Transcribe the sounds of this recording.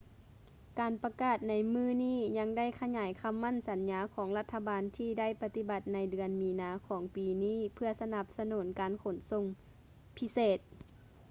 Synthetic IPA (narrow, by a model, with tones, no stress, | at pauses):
kaː˨˩npa˧kaː˧˩t̪̚na˧jmɯː˧˥˨niː˥˨ɲa˧˥ŋda˥˨jkʰa˧ɲaː˨˩˦jkʰa˧˥˨mːa˧˥˨nsa˨˦nɲaː˧˦kʰɔː˩˦ŋla˧t̪ʰːa˧baː˨nt̪ʰiː˧da˥˨jpa˧t̪i˧ba˧˦t̪̚na˧jdɯ˧˩ənmiː˨˦naː˨˦kʰɔː˩˦ŋpiː˨niː˥˨pʰɯ˧ɐsa˧na˧˦p̚sa˧nuː˩˦nkaː˨nkʰo˨˩˦nso˧˨ŋ | pʰi˧˥seː˧˨˩t̪̚